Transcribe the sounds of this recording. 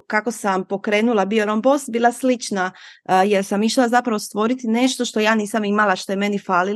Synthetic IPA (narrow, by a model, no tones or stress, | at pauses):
kako̞sampo̞kɾe̞ːnulˠabioɾombost̪biːlˠaslit͡ʃnaje̞ɾsamiʃlazapɾaʋo̞st̪ʋo̞ɾit̪ine̞ʃt̪o̞ʃt̪o̞jaːniːsamimalˠaʃt̪o̞jeme̞nifaːli